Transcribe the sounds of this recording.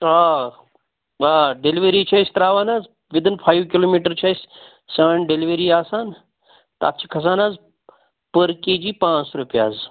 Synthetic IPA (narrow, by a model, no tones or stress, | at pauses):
aː | aːɖeliʋeɾiːt͡ʃʰɐːjsʲt̪ɾaːʋaːnaːz | ʋid̪inpʰaːjʋkiloːmiːʈəɾt͡ʃʰajsʲ | sɐːɳɖeliʋeɾiːaːsaːn | t̪a̰tt͡ʃʰi̥kʰɐs̬aːnaːz | pəɾkeːd͡ʒiːpãːt͡sɾupijaːz